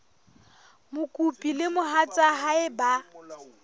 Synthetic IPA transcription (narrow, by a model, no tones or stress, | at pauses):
mʊkʼupʼilɪmʊɦat͡sʼaɦaɪba